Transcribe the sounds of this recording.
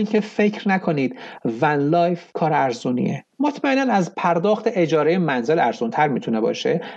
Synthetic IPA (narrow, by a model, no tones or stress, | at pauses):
inkʰe̞fe̞cʰɾnækʰoniːd̪̥vænlɒːjfkʰɒːɾæɾzuːnḭḛ | mot̪ʰmæenænæzpʰæɾd̪ɒːxt̪ʰe̞ʔed͡ʒɒːɾejemænze̞læɾzunt̪ʰæɾmit̪ʰune̞bɒ̰ːʃe̞